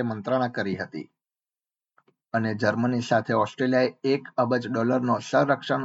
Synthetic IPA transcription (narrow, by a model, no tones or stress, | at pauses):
emənt̪ɾəɽ̃ãkəɾiɦət̪ḭ | əned͡ʒəɾmənisat̪ʰeɔsʈɾelijaeekəbəd͡ʒɖɔləɾnosəɾəkʃəɳ